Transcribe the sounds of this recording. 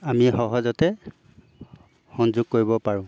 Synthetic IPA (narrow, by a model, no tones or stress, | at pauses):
amixɔɦɔzɔtɛ | xɔnzʊɡ̚koɹibɔpaɹʊ̃